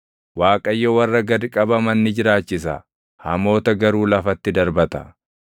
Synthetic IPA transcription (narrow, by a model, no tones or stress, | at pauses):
waːkʼɐjːowɐrːɐɡɐd̪kʼɐbɐmɐnːɪd͡ʒɪɾaːt͡ʃːɪsɐ̰ | hɐmo̞ːt̪ɐɡɐɾuːlɐfɐt̪ːɪd̪ɐɾbɐt̪ɐ